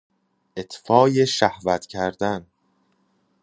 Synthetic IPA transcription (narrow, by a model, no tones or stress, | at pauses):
ʔet̪ʰfɒːje̞ʃæhvæt̪cʰæɾd̪æn